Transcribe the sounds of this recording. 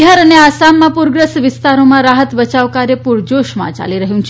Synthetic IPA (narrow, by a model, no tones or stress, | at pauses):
ɦəɾəneasamːãpuɾɡɾəsʋist̪aɾomãɾaɦət̪ʋət͡ʃaʋkaɾjəpuɾd͡ʑoʃma̰t͡ʃa̰liɾəɦjũnt͡ʃʰ